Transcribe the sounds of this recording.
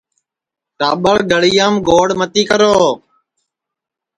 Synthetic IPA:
ʈa̰ːɓəɭɡəɽijaːmɡoːɽmət̪iːkəɾoː

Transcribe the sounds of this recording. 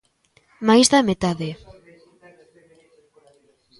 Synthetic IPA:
majzðamet̪aðe

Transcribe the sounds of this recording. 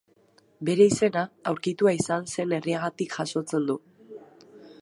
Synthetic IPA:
be̞ɾe̞ise̞naːwɾkit̪uaisanse̞ne̞riaɣ̞at̪ikʝaʃo̞t͡se̞nd̪u

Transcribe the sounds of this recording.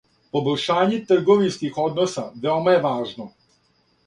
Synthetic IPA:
po̞boʎʲʃaːɲet̪r̩ɡo̞ʋinskixo̞d̪no̞saʋeomajeʋaːʒno̞

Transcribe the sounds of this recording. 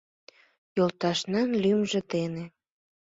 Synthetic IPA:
jolt̪ɑʃnɑnlymʒĕt̪ene

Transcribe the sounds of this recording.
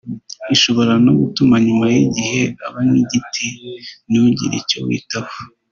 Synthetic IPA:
iʃo̞βo̞ɾano̞ɡutumaɲumajiɟihe̞aβaniɟitʰinuɟḭɾḭco̰wḭːtaho

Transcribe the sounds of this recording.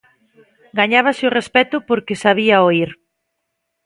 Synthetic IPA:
ɡaɲaβ̞asɪʊrespɛt̪ʊpoɾkesaβ̞iaoiɾ

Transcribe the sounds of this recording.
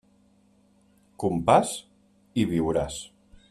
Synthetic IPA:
kumpas | iβiwɾas

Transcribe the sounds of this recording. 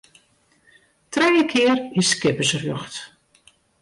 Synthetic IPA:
trɛjəkʰɪəriskɪpəsrjøxt

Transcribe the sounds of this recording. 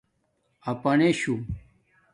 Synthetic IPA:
ɐpɐneɕu

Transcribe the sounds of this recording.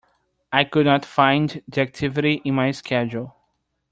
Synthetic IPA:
ajkʊdnɔtfãɪ̃nddiæk̚tʰɪvɪɾiʔɪ̃nmajskʰɛd͡ʒulˠ

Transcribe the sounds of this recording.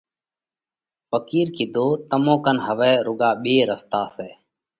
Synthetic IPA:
pəkiːɾkɪːd̪oːt̪əmõːkənɦəʋɛːɾʊɠaːɓeːɾəst̪aːseː

